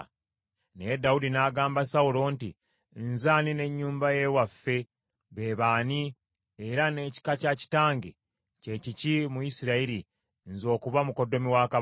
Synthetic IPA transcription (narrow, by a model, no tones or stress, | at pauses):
nejedːawudinaːɡaːmbasawulo̞ːntḭ | nzaːnine̞ɲːuːmbaje̞wafːe̞ | βeβaːni | eɾane̞ːci̥kacaci̥taːŋɡe | ce̞cicimujisiɾaiɾi | nzo̞ːkuvamuko̞dːo̞miwaːka